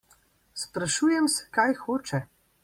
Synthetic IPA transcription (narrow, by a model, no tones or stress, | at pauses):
spɾaʃuːjɛmsɛ̥kajxoːt͡ʃɛ